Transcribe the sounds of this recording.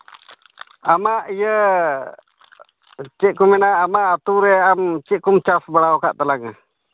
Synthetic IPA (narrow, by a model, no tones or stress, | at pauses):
amaʔijə | t͡ʃiʔkuminaamaʔat̪uɾɛamt͡ʃiʔkumt͡ʃafbəlawkaʔt̪əlaŋa